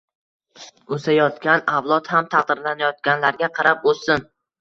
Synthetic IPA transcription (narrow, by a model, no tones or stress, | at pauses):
osajɒt̪kʲanavlˠɒt̪hamt̪ʰɑq̚d̪ɪɾlanajɒt̪̚kʲanlaɾɡʲaqʰɑɾapolsɪn